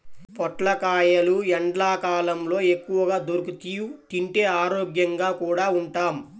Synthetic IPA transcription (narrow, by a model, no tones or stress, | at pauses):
pɔʈlɐkaːjɐluɛɳɖlaːkaːlɐmlo̞ːe̞kːuʋɐɡaːd̪oɾukut̪iːjut̪iɳʈeːaːɾoːɡjɐŋɡaːkuːɽaːuɳʈaːm